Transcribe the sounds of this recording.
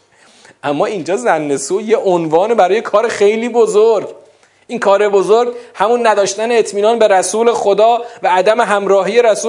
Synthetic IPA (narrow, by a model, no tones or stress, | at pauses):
ʔæmːɒːind͡ʒɒːzænːe̞suːjeʔonvɒːnebæɾɒːjekʰɒːɾexe̞jliːbozoɾɡ | ʔiːnkʰɒːɾe̞bo̞zoɾɡhæmunːæd̪ɒːʃt̪æneːt̪ʰmiːnɒːnbe̞ɾæsuːle̞xod̪ɒːvæːd̪æme̞ɦæmɾɒːɦiːje̞ɾæsuː